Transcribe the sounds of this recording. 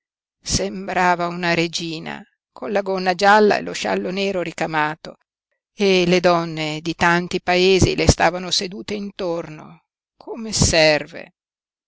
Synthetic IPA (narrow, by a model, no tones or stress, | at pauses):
sembɾaːvaunaɾed͡ʒiːna̰ | kʰonlaɡonːad͡ʒalːa̰ḛloʃa̰lːoneːɾoɾikamaːt̪o | eled̪ɔnːed̪it̪ant̪ipaeːzḭlest̪aːvanosed̪uːt̪eint̪orno̰ | kʰomesɛrvḛ